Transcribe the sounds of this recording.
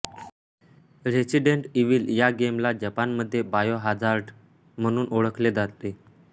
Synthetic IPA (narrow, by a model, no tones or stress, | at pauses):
ɾesiɖeɳʈiʋiːljaɡemlad͡ʑəpanməd̪ʱːjebajoɦad͡zaɾɖ | m̤əɽ̃uːnʔoɭəkʰled͡zat̪t̪e